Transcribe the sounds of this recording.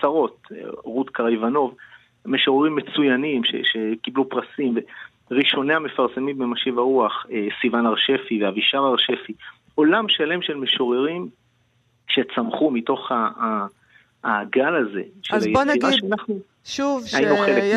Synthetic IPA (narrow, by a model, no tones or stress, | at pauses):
t͡saʁo̞t̚ʁutkaʁajvano̞v | meʃo̞ʁeʁimːet͡sujanimʃḛʃe̞kiblupʁasimve | ʁiʃo̞neame̞faʁse̞mimbemaʃivaʁuaχesivanaʁʃe̞fiveaviʃavaʁʃe̞fi | o̞lamʃale̞mʃe̞lme̞ʃo̞ʁeʁim | ʃe̞t͡samχumito̞χa | ɡalaze̞̰ʃalajnʁaʃeanaχnu | ʃuvajinuχele